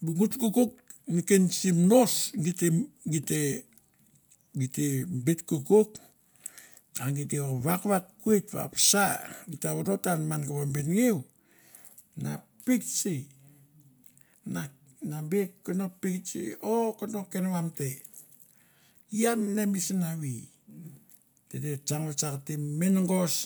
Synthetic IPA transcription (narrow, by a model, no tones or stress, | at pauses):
buɡutkukuk̚nikensimnosɡiteɡite | ɡitebitkukuk | aŋɡit̬eoβakβakkuetβa̰psaɡitaβoɾotanmanɡaβambinŋiw | na | pikt͡ʃi | na | nabeonopikt͡ʃḭokondokenβamte | iamnemisinaβi | tetet͡ʃaŋβat͡ʃakatiminŋɡos